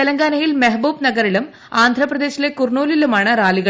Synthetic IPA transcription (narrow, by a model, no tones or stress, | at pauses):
elɐŋɡaːnɐjilmeɦɐbuːbnɐɡɐɾilum | aːnd̪ʱrɐprɐðe̞ːɕile̞kurɳuːlilumaːɳɨraːliɣɐ